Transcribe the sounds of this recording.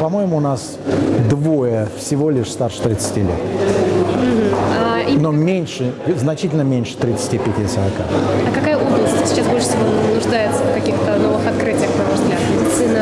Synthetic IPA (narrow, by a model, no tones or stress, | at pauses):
pɐmo̞jɪmʊːnas | d̪vo̞jəfsʲɪvo̞lʲɪʂst̪arʂɨ̥t̪ɾʲɪt̪sɨ̥tʲilʲḛt̪ | m̩ɦm̩ainomʲenʲʂɨznɐt͡ɕitʲɪlʲnəmʲenʲʂɨ̥t̪ɾʲɪt̪sɨ̥tʲipʲɪtʲijəsəɾɐka̰ɐkɐkajəʔoblˠəsʲtʲsʲɪ̥t͡ɕːasbolʂɨ̥sʲɪvonnʊʐd̪ajɪt̪səfkɐkʲixt̪əno̞vɨxɐt̪̚kɾɨtʲɪjəxnɐvzɡlʲat̪mʲɪdʲɪt̪sɨnə